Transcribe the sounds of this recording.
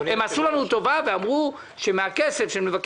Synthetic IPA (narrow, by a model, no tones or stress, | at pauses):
emasulanut̪o̞vaveamʁu | ʃemeakesefʃeemlevak